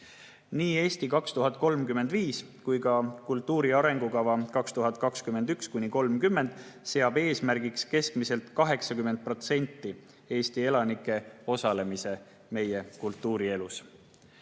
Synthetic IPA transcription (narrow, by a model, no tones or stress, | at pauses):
niːe̞ːst̪ikɑkst̪uɦɑt̪̚ˑko̞lmkyme̞nd̪viːs | kujkɑkult̪ˑːuːɾiɑɾe̞ŋɡukɑvɑkɑkst̪uɦɑt̪̚ˑkɑkskymːe̞nd̪ykskujniko̞lmkymːe̞nd̪̥se̞ɑbe̞ːsmæɾɡ̥ikske̞skmise̞lt̪kɑɦe̞ksɑkymːe̞nd̪̚pro̞t̪se̞nʲt̪ːi | e̞ːst̪ie̞lɑnikːˑe̞o̞sɑle̞mise̞ | me̞je̞kult̪ːˑuːɾie̞lus